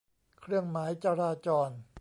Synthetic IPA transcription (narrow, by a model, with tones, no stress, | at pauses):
kʰɾɯ˥˩əŋmaː˩˦jt͡ɕa˧ɾaː˧t͡ɕɔː˧n